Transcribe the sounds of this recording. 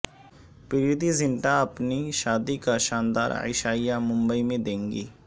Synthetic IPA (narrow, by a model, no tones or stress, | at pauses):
pɪɾid̪izɪnʈaɐpniʃaːd̪ikaʃaːnd̪a̰ːɾɪ̰ʃaːijamʊ̃mbəimẽd̪ẽːŋɡḭː